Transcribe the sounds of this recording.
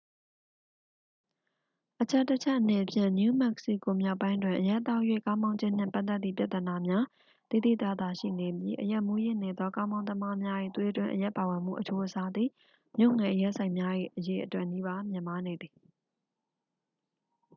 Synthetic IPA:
ʔət͡ɕʰɛ˦tːət͡ɕʰɛ˦ʔəne˨pʰjɪ̰̃˦˨nju˦mɛ˦ksḭ˦˨ko˨mja˦ʊpːã˦ɪ̃ndwɪ̃˨ʔəja˦ʔt̪ːa˦jwḛ˦˨kã˦ʊ̃mã˦ʊ̃ɲd͡ʑɪ̃˦˨n̥ɪ̰̃˦˨mpa˦ʔt̪ːɛ˦t̪ːi˦˨pja˦ʔ̪t̪ːəəna˨mja˦ | t̪i˨d̪ḭ˦˨t̪a˦˨d̪a˨ʃḭ˦˨ne˨bji˦ʔəja˦ʔmu˦jɪ̃˦˨ne˨d̪ðɔ˦kã˦ʊ̃mã˦ʊ̃əma˦mja˦ʔḭ˦˨t̪we˦˨twɪ̃˦˨ʔəja˦ʔpa˨wɪ̃˨m̥ṵ˦˨ʔət͡ɕʰo˦ʔəsa˦d̪ðḭ˦˨ | mjo˦ʊʔŋɛ̃˨ʔəjɛ˦ʔsʰã˨ɪ̃mja˦jḭ˦˨ʔəje˨ʔətwɛ˦ʔni˦ba˦mjɪ̃˨ma˦ne˨d̪ði˨

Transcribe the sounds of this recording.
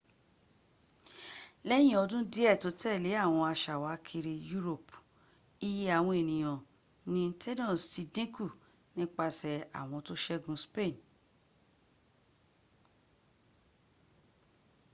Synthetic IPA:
lɛ˦j̃ĩ˦˨ɔ˧dũ˦di˦ɛ˦˨to˨˦tɛ˦˨le˨˦a˦˨w̃ɔ̃˧a˧ʃa˨wa˨˦kʰi˧ɾi˧ju˦ɾo˦˨p | i˦ji˦a˨w̃ɔ̃˧e˨nĩ˨j̃ɔ̃˨ | nĩ˦tʰɛ˦nɔ̃˦˨sti˧dĩ˦ku˦˨ | nĩ˦k͡pa˧tɛ˧a̰˨w̃ɔ̃˧to˦ʃɛ˦ɡũ˧˦spe˦˨n

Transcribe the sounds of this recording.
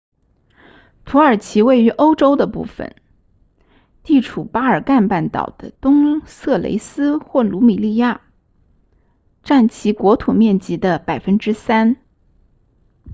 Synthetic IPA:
t̪ʰu˧˥ə˞˨˩t͡ɕʰi˧˥we˥˩ɪy˧˥ʔo˥ʊʈ͡ʂo˥ʊd̪ə˨pṵ˥˩fə̰˨˩n | t̪i˥˩ʈ͡ʂʰu˨˩pa˥ə˞˨˩ka˥˧npa˥˩nt̪ɑ̰˨˩ʊd̪̥ə˦t̪ʊ˥ŋsɤ˥˩lḛ˧˥ɪsɹ̩˥xwɔ˥˩lu˧˥mi˨˩li˥˧ja˥˩ | ʈ͡ʂa˥˩nt͡ɕʰi˧˥kwɔ˧˥t̪ʰu˨˩mjɛ˥˩nt͡ɕi˧˥d̪ə˧pa˨˩ɪfə˥nʈ͡ʂɻ̩˥sa˥n

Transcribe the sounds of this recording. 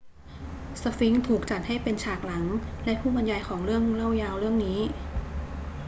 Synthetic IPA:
sa˧fi˦˥ŋt̪ʰuː˨˩k̚t͡ɕa˨˩t̪̚ha˥˩jpe˧nt͡ɕʰaː˨˩k̚la˩˦ŋlɛ˦˥ʔpʰuː˥˩ba˧njaː˧jkʰɔː˩˦ŋɾɯ˥˩əŋla˥˩wjaː˧wɾɯ˥˩əŋniː˦˥

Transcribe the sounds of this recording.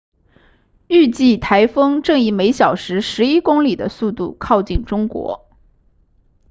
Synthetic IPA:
y˥˧t͡ɕi˥˩t̪ʰa˧˥ɪfɤ˥ŋʈ͡ʂɤ˥˧ŋi˥˩me˧˥ɪɕjɑ˨˩ʊʂɻ̩˧˥ʂɻ̩˧˥i˥kʊ˥ŋli˨˩d̪ə̰˦su˥˧t̪ṵ˥˩kʰɑ˥˧ʊt͡ɕi˥˩nʈ͡ʂʊ˥ŋkwɔ̰˧˥

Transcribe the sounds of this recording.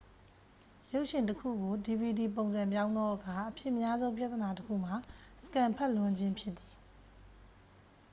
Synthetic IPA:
jo˦ʊʔʃɪ̃˨ntəkʰṵ˦˨ɡo˨di˨bi˨di˨p̬õ˨ʊ̃nzã˨mp̬jã˦ʊ̃nd̪ɔ˦ʔəkʰa˨ʔəpʰjɪ˦ʔmja˦zõ˦ʊ̃mpja˦t̪əna˨təkʰṵ˦˨m̥a˨sə̥kã˨mpʰɛ˦ʔlwʊ̃˨ɲd͡ʑɪ̃˦mpʰjɪ˦t̪t̪ːi˨

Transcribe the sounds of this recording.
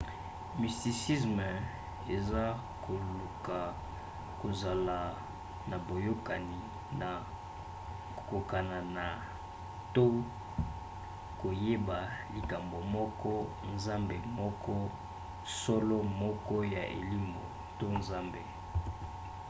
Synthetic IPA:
mi˨sti˨si˦s̬m˨ | e˨za˦ | kʰo˨lu˨ka˨ | ko˨za˨la˨ | na˨bo˨jo˦ka˨ni˨ | na˨ | ko˨ka˨na˨na˨ | to˦ | ko˨je˦ba˨li˨ka˨mbo˨mɔ˦kɔ˦ | nza˦mbe˨mɔ˦kɔ˦ | sɔ˦lɔ˦mɔ˦kɔ˦ja̰˨ʔḛ˨li˦mo̰˨ | to˦nza˦mbe˨

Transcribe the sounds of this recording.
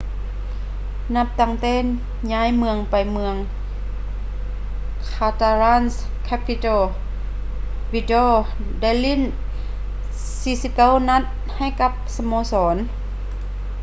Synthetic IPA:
na˧˩p̚t̪a˧˩ŋt̪ɛː˧˥˨ | ɲaː˧˥˨jmɯ˧əŋpa˨˩jmɯ˧əŋ | kʰaː˧t̪a˧ɾaː˧˥˨ns | kʰɛː˧˥pʰi˧t̪oː˧˩ | wi˧doː˧˩ | da˥˩˨jli˧˥˨n | siː˧˦si˧˦p̚ka˧˥˨wna˧˥t̪̚ | ha˧˥˩jka˧˥p̚sa˧mɔː˧˦sɔː˩˦n

